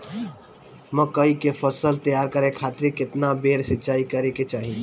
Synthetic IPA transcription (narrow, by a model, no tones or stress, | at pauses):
mɐkəikefʰəsəlt̪əjaːɾkɐɾẽkʰaːt̪ɾikɪt̪nabeːɾsɪt͡ʃaːikɐɾẽket͡ʃaːɦĩ